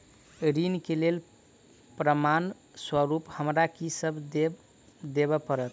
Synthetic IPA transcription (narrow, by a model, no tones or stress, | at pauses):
ɾinkelel | pɾəman | swəɾuphəmɾakisəbʱ | d̪eβəpəɾət̪̚